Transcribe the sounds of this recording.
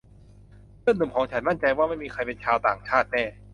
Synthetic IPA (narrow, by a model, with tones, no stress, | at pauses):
ɾɯ˥˩˨nɯː˨˩mkʰɔː˩˦ŋt͡ɕʰa˦˥nma˥˩nt͡ɕa˧jwaː˥˩ma˥˩jmiː˧kʰa˧jpe˧nt͡ɕʰaː˧wt̪aː˨˩ŋt͡ɕʰaː˥˩t̪̚nɛː˥˩